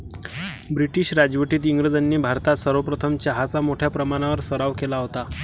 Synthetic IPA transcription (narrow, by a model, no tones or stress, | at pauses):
bɾiʈiːɕɾad͡ʑʋəʈiːt̪iŋɡɾəd͡zanːiːbʱaɾt̪at̪səɾʋəpɾət̪ʰəmt͡ɕaɦat͡samoʈʰjapɾəmaɽ̃aʋəɾsəɾaʋkelaɦot̪a